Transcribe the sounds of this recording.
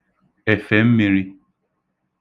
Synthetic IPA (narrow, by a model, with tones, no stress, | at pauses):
ɛ˨fɛ˨m̩˦mĩ˨ɾi˦